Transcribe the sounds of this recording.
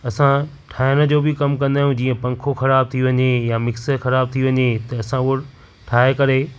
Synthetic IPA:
ɐsã | ʈʰaːɪñə̆d͡ʑoːbɪkɐmkɐ̃nd̪aːjũd͡ʑiːə̃pɐ̃ŋkʰoxɐɾaːb̚t̪ʰiʋɐɲejamɪksə̆xɐɾaːb̚t̪ʰiʋɐɲet̪ɐɐsãʊɽ | ʈʰaːekɐɾe

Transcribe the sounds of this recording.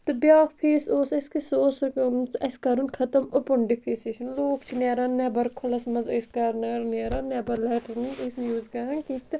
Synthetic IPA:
t̪ɨbjaːkpʰeːsoːsɐskisoːsɾkɐnt͡sɐskɐɾunkʰɐt̪ɐmopʊɳɖipʰiːseʃɐnloːkt͡ʃʰinɛːɾɐnːɛːbɐɾkʰʊlɐsmɐzɐjskɐɾnɐɾneːɾɐnːɛːbɐɾlɛːʈɐɾniɐsjuːzkɐɐnkit̪ɨ

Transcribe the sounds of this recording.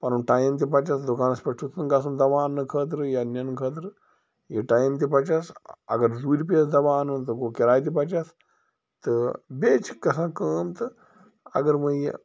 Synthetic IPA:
pɐɾunʈaːjmt̪̬ʲipɐt͡ʃasd̪ukaːnɐspɐʈʰut̪ʰnɨɡasumd̪ɐʋaːnːɨkʰəːt̪̬ɾɨjiɐnʲːɐnɨkʰəːt̪̬ɾɨ | jiʈaːjmt̪̬ipɐt͡ʃasɐ̰ɡɐɾd̪uːɾʲp̬iɐsd̪ɐʋaːnunt̪ɨɡokiɾaːjt̪ipɐt͡ʃas | t̪ɨbeːt͡ʃʰi̥kːɐsãːkəːmt̪ɨ | ɐ̰ɡɐɾmɐjḛ

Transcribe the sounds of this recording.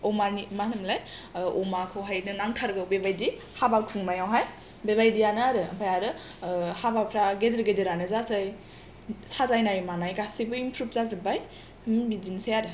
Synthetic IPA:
ɔmanimanɯmlajɔmakʰɯwɦajnɯnaŋkʰaɾɡɯwbebajdi | habakʰuŋmajawɦaj | bebajdianɯaɾɯpʰajaɾɯ | habapʰɾaɡedɾɡedɯɾanɯzazaj | sazajnajmanajɡasibɯimpʰɾup̚zazɯbaj | mbizinsajaɾɯ

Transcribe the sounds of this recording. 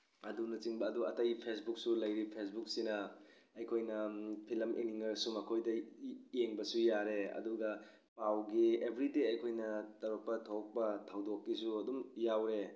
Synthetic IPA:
ɐdunɐt͡ʃiŋbɐːduɐtajpʰes̬buk̚sulɐjɾipʰes̬buk̚sinɐ | ɐjkʰojnɐpʰilɐmʔḛniŋɐɾsumɐkʰojdɐeŋbɐsujaɾeɐ̰duɡɐ | pawɡiebʱɾideɐjkʰojnɐtɐɾok̚pɐtʰok̚pɐtʰawdokːisuɐdumjawɾe

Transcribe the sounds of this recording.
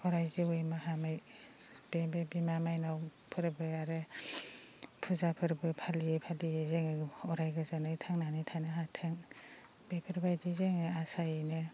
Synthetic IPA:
ɔɾajziojmaɦamaj | b̥ebebimamajnaw | pʰɯɾbɯaɾɯ | pʰuzapʰɯɾbɯpʰaliepʰalijezeŋɯɔɾajɡɯzanɯjtʰaŋnanɯtʰanɯɦatʰɯŋ | b̥epʰɯɾbajdizeŋɯasajenɯ

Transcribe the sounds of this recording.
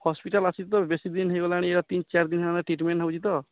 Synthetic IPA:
hɔspiʈalasʰit̪t̪ɔbesid̪inɦeɡolaɽ̃ieɾat̪int͡ʃaɾd̪inɦeanaʈɾiʈmenʈɦaw̃t͡ʃʰit̪ɔ

